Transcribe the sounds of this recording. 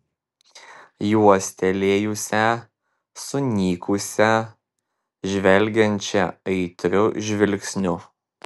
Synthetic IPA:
juɔsʲt̪ʲɛlʲeːjʊsʲɛ | sʊnʲiːkʰʊsʲɛ | ʒʲʋʲɛlʲˑɡʲɛnʲt͡ʃʲɛɐɪt̪ʲɾʲʊʒʲʋʲɪlʲksʲnʲʊ

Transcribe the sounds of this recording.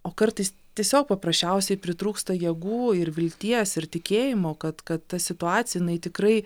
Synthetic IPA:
oːkɐɾt̪ɐɪs | t̪ʲiɛsʲoːk̚pɐpɾɐsʲt͡ʃʲɛʊsʲɛɪpʲɾʲɪt̪ɾuːkst̪ɐjɛɡuːɪɾʋʲɪlʲt̪ʲiɛsɪɾt̪ʲɪkʲeːjɪmoːkɐt̪kɐt̪ːɐsʲɪt̪ʊɑːtt͡ssʲɪjɛjɪnɐɪt̪ʲɪkɾɐɪ

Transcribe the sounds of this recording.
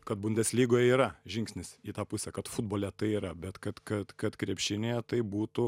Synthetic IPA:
kɐt̪̚bʊnʲd̪ʲɛsʲlʲiːɡoːjɛiːɾɐʒʲɪŋksʲnʲɪsiːt̪ɑːpʊsʲɛkɐt̪fʊd̪boːlʲɛt̪ɐɪiːɾɐbʲɛt̪kɐt̪kɐt̪kɐt̪kɾʲiɛpʲʃʲɪnʲejɛt̪ɐɪbuːt̪ʊ

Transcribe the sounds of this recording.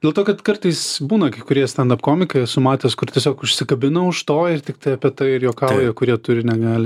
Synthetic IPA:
d̪ʲeɛlˠt̪oːkɐt̪kɐɾt̪ɐɪsbuːnɐkɐɪkʊɾʲiɛst̪ʲɐnd̪ɐpkoːmʲɪkɐjsʊmɑːt̪ʲeːskʊrt̪ʲiɛsʲoːkʊʃʲsʲɪkɐbʲɪnɐʊʃt̪oːɪrt̪ʲɪkt̪ɐɪɐpʲiɛt̪ɐɪɪɾjoːkɑːlˠojoːkʊɾʲiɛt̪ʊɾʲɪnʲɛɡɑːlʲɪ

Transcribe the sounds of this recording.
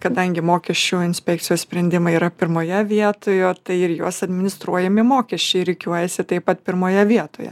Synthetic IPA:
kɐd̪ɐŋʲɡʲɪmoːkʲɛt͡ʃʲuːɪnʲsʲpʲɛk̚t͡sʲɪjoːssʲpʲɾʲɛnʲd̪ʲɪmɐiːɾɐpʲɪɾmoːjɛʋʲiɛt̪oːjoːt̪ɐɪɪɾjuɔsɐd̪ʲmʲɪnʲɪst̪ɾuɔjɛmʲɪmoːkʲɛsʲt͡ʃʲɛɪɾʲɪkʲuɔjɛsʲɪt̪ɐɪpɐt̪̚pʲɪɾmoːjɛʋʲiɛt̪oːjɛ̰

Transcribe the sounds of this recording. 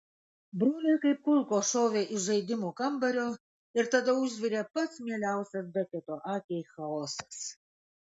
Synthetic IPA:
bɾoːlʲeːkɐɪp̚kʊlʲˠkoːʃoːʋʲeːʔɪʒɐɪd̪ʲɪmuːkɐmbɐɾʲoː | ɪɾt̪ɐd̪ɐʊʒʲʋʲɪɾʲeːpɐt̪smʲiɛlʲæˑʊsʲɛs̬d̪ʲɐkʲɛt̪oːʔɑːkʲɛɪxɐoːsɐ̥s

